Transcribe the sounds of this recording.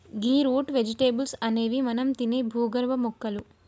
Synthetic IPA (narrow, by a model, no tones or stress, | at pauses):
ɡiːɾoːʈʋed͡ʒiʈeːbulsɐne̞ːʋimɐnɐmt̪ineːbʱuːɡɐɾʋɐmukːɐlu